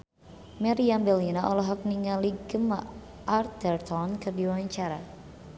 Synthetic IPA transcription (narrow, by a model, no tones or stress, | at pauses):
mɛɾiambɛlinaʔɔlɔɦɔk̚niŋaliɡəma | ʔart̪ərt̪ɔnkɨrdiwaɲt͡ʃaɾa